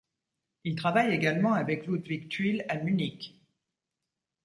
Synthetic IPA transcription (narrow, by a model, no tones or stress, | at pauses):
ilt̪χavajeɡalmɑ̃avɛklud̪vikt̪ɥilamynik